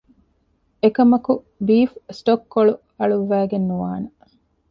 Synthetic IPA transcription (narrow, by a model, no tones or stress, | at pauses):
ekɐmɐku | biːfsʈokːoɭu | ɐɭuʋʋæːɡenːuʋaːnɐ